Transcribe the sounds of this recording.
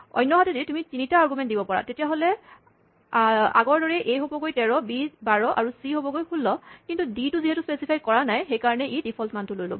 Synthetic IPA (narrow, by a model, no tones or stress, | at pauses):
ɔ̰jnːɔɦatɛditumitinitaːɹɡumɛnt̚dibɔpaɹa̰tetijaɦolɛ | a̰ɡɔɹdɔɹɛʔejɦobɔkojtɛɹɔbibaɹɔʔa̰ɹusiɦobɔkojkʰulːɔkintudituziɦɛtuspesipʰajkɔɹanajxejkaɹɔnɛʔidipʰɔltmantʊlojlo̰bɔ